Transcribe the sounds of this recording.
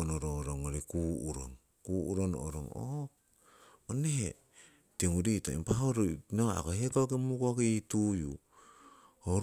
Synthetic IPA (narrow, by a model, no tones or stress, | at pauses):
noɾoɾoŋoɾikuuɾo̰ŋ | kuuɾono̰o̰ɾo̰ŋo̰ | onehe | teŋuditoḭmpaɦoɾonoa̰kohekokemukoketuju | ho